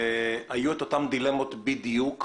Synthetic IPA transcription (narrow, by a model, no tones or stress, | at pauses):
ajuet̪o̞t̪amd̪ile̞mot̪bid̪juk